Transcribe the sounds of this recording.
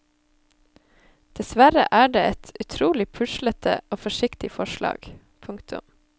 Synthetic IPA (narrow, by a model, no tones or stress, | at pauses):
d̪̥ɛsʋæɾə̰ʔæːɖeːɛt̪ʰʉt̪ʰɾuːlɪpʰʉʃlət̪ʰə̰oːfɔʃɪkt̪ɪfɔʃlɑ̰ːɡ̥ | pʰʊŋkt̪ʰʉ̰m